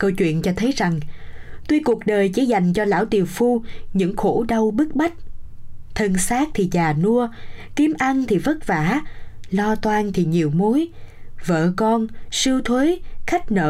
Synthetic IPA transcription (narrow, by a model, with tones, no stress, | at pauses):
kə˧wt͡ɕwḭ˧˨ənt͡ɕɔ˧t̪ʰə˨˦jza˨˩ŋt̪wi˧jku˨˩ək̚ɗəː˨˩jt͡ɕḭ˧˦za˨˩jŋ̟t͡ɕɔ˧la̰ː˧˥˩wt̪i˨˩əwfu˧ɲɨ̰˧˥ŋxo̰˧˥ɗə˧wɓɨ˦˥k̚ɓa˦˥jk̟̚t̪ʰə˧nsaː˦˥k̚t̪ʰi˨˩zaː˨˩nu˧əki˨˦əmʔa˧nt̪ʰi˨˩və˦˥t̚vaː˧˩˥lɔ˧t̪waː˧nt̪ʰi˨˩ɲi˨˩əwmo˨˦jvə̰ː˧˨kɔ˧nsɨ˧wt̪ʰwe˨˦xa˦˥k̟̚nə̰ː˧˨